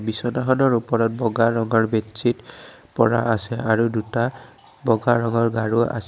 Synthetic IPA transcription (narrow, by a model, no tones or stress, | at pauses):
bisɔnaɦɔnɔɹupɔɹɔt̚bɔɡaɹɔŋɔɹbett͡ʃʰit | pɔ̰ɹa̰asɛaɹuduta | bɔɡaɹɔŋɔɹɡaɹua̰s